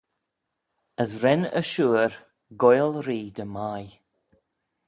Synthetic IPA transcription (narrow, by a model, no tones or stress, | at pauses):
əsɾɛnə̰ʃuːɹ | ɡɔjlɾiːd̪əmaj